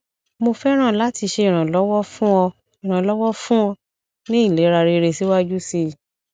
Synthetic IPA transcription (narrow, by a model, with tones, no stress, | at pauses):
mo˧fɛ˦ɾ̃ã˦˨la˨˦ti˧ʃe˧i˨ɾ̃ã˨lɔ˦wɔ˦fũ˦ɔ˧ | i˨ɾ̃ã˨lɔ˦wɔ˦fũ˦ɔ˧ | nĩ˦i˦˨le˨˦ɾa˧ɾe˧ɾe˧si˦wa˦d͡ʒu˦si˧